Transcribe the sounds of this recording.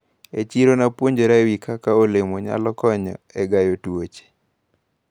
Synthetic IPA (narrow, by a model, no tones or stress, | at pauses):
et͡ʃiɾonapwoɲd͡ʒoɾawikakaolemoɲa̰lɔkɔɲɔ̰ɛɡajotwot͡ʃe̥